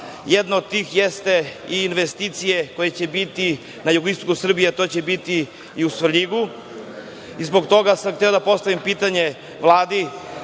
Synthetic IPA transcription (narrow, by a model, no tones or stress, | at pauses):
jed̪nood̪̚t̪ːiːxjest̪e̞iːnʋest̪iːt̪sije̞ko̞je̞t͡ɕe̞bit̪i | najuɡoist̪okusr̩bijet̪o̞t͡ɕebit̪i | iusʋʎiɡu | izboɡt̪o̞ɡasamxt̪eod̪apo̞st̪aʋimpiːt̪aɲe̞ | ʋlˠaːd̪i